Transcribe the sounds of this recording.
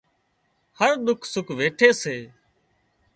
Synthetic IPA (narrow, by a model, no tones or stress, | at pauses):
həɾɗ̪ʊkʰsʊkʰʋeːʈʰeːseː